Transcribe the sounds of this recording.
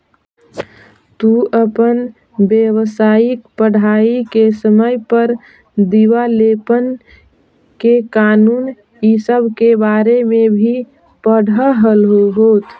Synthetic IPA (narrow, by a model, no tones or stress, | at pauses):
t̪uəpən | bjəwsaːɪkpəɽ̤aːikesəməjpəɾ | d̪iʋaleːpən | kekaːnuːn | isəbʱkebaːɾemẽbʱi | pəɽ̤əɦəlɦoɦoːt̪ʰ